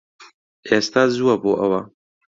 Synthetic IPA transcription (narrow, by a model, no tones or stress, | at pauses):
eːst̪aːzuwɐboːʔɐ̰wɐ